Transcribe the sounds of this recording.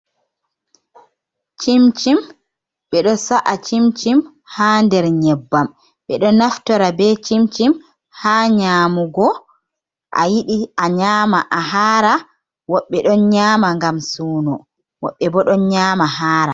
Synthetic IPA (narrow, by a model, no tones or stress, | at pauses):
t͡ʃimt͡ʃim | ɓɛɗɔsaʔat͡ʃimt͡ʃim | haːndɛɾɲɛbːam | ɓɛɗɔnaftɔɾabɛt͡ʃimt͡ʃim | haːɲaːmuɡɔ | ʔa̰jiɗiaɲaːmaʔaɦaːɾa | wɔɓːɛɗɔnɲaːmaŋɡamsuːnɔ | wɔɓːɛbɔɗɔnɲaːmahaːɾa